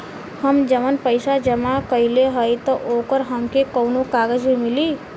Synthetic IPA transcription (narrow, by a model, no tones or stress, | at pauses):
həmd͡ʒəmənpəɪsad͡ʒəmakəileɦəjt̪ɔʔokəɾɦəmkekəʊnokaɡəd͡ʒbʱimili